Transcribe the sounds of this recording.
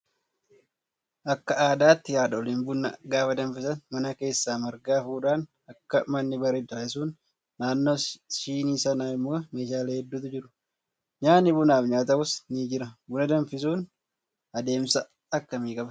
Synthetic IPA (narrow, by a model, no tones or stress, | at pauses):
ʔɐkːɐaːd̪aːt̪ːɪjaːᶑɐɔlinbʊnːɐɡaːfɐd̪ɐnfɪsɐnmɐnɐke̞ːsːaːmɐɾɡaːfuːᶑaːn | ɐkːɐmɐnːɪbɐɾɛd̪ɐːɪsuːnː | aːnːoːʃiːniːsɐnaːɪmːo̞ːme̞ːʃaːleːhɛd̪ːuːt̪ʊd͡ʒɪɾʊ̥ | ɲaːnːɪbʊnaːfɲaːt̪ɐkʊsniːd͡ʒɪɾɐbʊnɐd̪ɐnfɪs̬uːn | ɐd̪e̞ːmsɐ | ɐkːɐmiːkʼɐbɐ